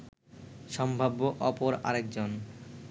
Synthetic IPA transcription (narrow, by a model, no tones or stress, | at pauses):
ʃɔmbʱabːoʔɔpoɾa̰ɾek̚d͡ʑon